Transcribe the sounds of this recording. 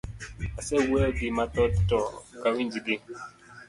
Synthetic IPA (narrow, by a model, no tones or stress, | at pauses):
asɛwɛɡimat̪ɔtɔkawind͡ʒiɡi